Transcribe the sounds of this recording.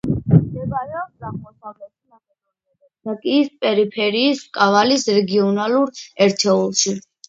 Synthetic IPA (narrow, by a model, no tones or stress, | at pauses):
d̪ɛvaɾɛɔbɡaʁmɔsavlɛt̪na | dakʼiːspʼɛɾipʰɛɾiːskʼavalisɾɛɡiɔnaluɾɛɾt̪ʰɛulˠʃi